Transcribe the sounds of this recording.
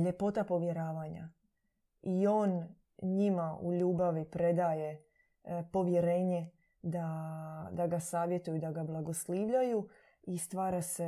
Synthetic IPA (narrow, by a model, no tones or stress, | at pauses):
ʎe̞po̞t̪apo̞ʋje̞ɾaːʋaːɲa̰ | io̞ːn | ɲimaʔṵʎuːbaʋipɾe̞d̪aːje̞ | po̞ʋje̞ɾe̞ːɲe̞ | d̪ad̪aɡasaːʋje̞t̪ujud̪aɡablˠaɡo̞sliːʋʎaju | ist̪ʋaːɾase